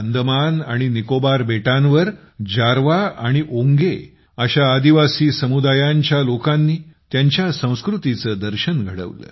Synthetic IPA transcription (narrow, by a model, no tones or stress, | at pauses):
ənd̪əmanaɽ̃inikobaɾbeʈãnʋəɾ | d͡ʑaɾʋaaɽ̃iʔoŋɡe | əɕaːd̪iʋasiːsəmud̪ajãɲt͡ɕjalokãnːiːt̪jaɲt͡ɕjasə̃w̃skɾut̪it͡səːd̪əɾɕənɡʱəɽə̰ʋlə̰ː